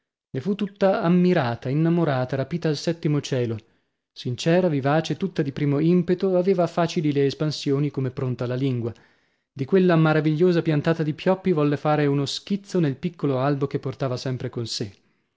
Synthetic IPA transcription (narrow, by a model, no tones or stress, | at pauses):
lefut̪ːut̪ːaːmːiɾaːt̪ainːamoɾaːt̪aɾapiːt̪aːlsɛt̪ːimot͡ʃɛːlo | sint͡ʃɛːɾavivaːt͡ʃet̪ut̪ːad̪ipɾiːmoimpet̪oaveːvafaːt͡ʃilileːspansjoːnikomepːɾont̪alaliŋɡwa | d̪ikwelːamaɾaviʎːoːzapjant̪aːt̪ad̪ipjɔpːivɔlːefaːɾeunoskit̪sːonelpikːoloalbokepːort̪aːvasɛmpɾekonse